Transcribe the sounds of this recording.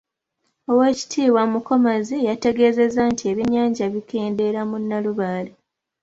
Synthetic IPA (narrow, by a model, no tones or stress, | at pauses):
o̞we̞ːci̥tʰiːwamuko̞mazejate̞ɡe̞ːze̞zantʰie̞βiɲaːɲɟaβike̞ːnde̞ɾamunːaluβaːle